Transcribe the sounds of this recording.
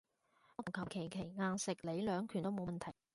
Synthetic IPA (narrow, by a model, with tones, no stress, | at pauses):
kʰɐ˨˩p̚kʰe˨˩jkʰe˨˩jŋaː˧nsɪ˨k̚le˨˥jlœː˨˧˥ŋkʰyː˨˩nt̪o˥mo˨˧wmɐ˨˩nt̪ʰɐ˨˩j